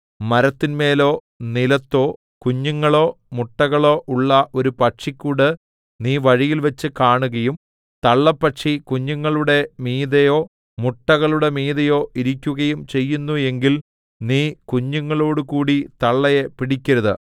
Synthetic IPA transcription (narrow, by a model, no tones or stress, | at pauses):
mɐɾɐt̪ːinme̞ːlo̞ː | nilɐt̪ːo̞ː | kuɲːuŋːɐɭo̞ː | muʈːɐɣɐɭo̞ːʔuɭːɐʔo̞ɾupɐʈʂikʲːuːɽɨ | niːʋɐɻijilʋɐt͡ɕːɨkaːɳuɣɐjum | t̪ɐɭːɐpːɐʈʂikuɲːuŋːɐɭuɽe̞miːðɐjo̞ː | muʈːɐɣɐɭuɽe̞miːðɐjo̞ːʔiɾikʲːuɣɐjumt͡ɕe̞jːunːue̞ŋɡil | niːkuɲːuŋːɐɭo̞ːɽɨkuːɽit̪ɐɭːɐjepiɽikʲːɐɾɐðɨ̰